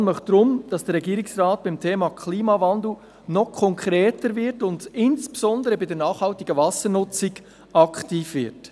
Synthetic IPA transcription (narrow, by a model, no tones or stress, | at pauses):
nməχd̥ɾʊmd̥ɑsd̥ɛɾɛɡiːɾɪksrɑːt̚b̥ɪmtʰeːmɑkʰliːmɑvɑndl̩ | nɔχkʰɔŋkʰɾeːtəɾvɪtʊndɪnsb̥esɔndəɾəbɪdɛnɑːχhɑltɪɡəvɑsənʊt͡sɪɡ | ɑktiːfvɪɾt